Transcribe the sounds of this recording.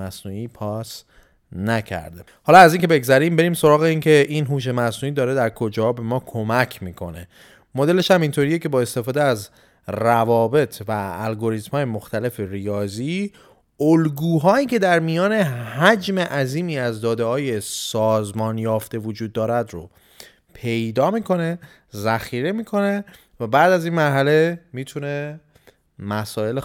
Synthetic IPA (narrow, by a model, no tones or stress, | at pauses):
æsnuːiːpʰɒːs | næcʰæ̰ɾd̪e | hɒːlɒæziːŋkʰebe̞ɡzæɾimbe̞ɾiːmso̞ɾɒːɣeincʰe̞ʔinɦuːʃ̬e̞mæsnuːiːd̪ɒːɾed̪æɾkʰo̞d͡ʒɒːbe̞mɒːkʰo̞mæcʰmiːkʰo̞̰ne̞ | mod̪e̞le̞ʃhæmint̪ʰo̞ɾiːjecʰe̞bɒːe̞st̪e̞fɒːd̪eæz | rævɒːbe̞t̪ʰvæːlɡo̞ɾit̪mhɒːje̞moxt̪æle̞ferijɒːziː | olɡuːɦɒːiːcʰe̞d̪æɾmijɒːne̞hæd͡ʒme̞ʔæziːmiːæzd̪ɒːd̪ehɒːje̞sɒːzmɒːnjɒːft̪e̞vod͡ʒuːd̪̚ːɒːɾæd̪ɾo̰ | pʰe̞jd̪ɒːmiːkʰo̞ne̞ | zæxiːɾe̞miːkʰo̞ne̞ | væbæːd̪æzinmæɾɦæle̞miːt̪ʰune̞ | mæsɒːe̞l